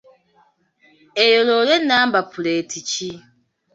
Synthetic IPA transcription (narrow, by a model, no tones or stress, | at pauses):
ejololenːaːmbapʰuleːtʰici